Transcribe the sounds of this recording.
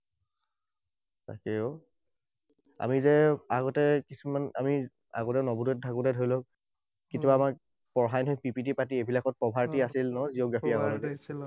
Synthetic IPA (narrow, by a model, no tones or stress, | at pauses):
ta̰kɛo | a̰mizɛaɣɔtɛkisumana̰mi | a̰ɡɔtɛnɔbudɛt̚dʱakudɛdʱojlɔk | kitubaːmak̚ | pɔɹɦajnɦɔjk̚pipitipat̬iebilakɔt̚pɔbʱaɹtiasilnɔzioɡɹapʰiakɔɔd